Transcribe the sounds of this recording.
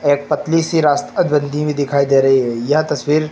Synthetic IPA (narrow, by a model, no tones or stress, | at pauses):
eːk̚pɐt̪lisiɾaːst̪əd̪bə̃nd̪ʱĩbʱid̪ɪkʰaːid̪eːɾɐɦiɦɛjɐɦt̪ɐsʋiːɾ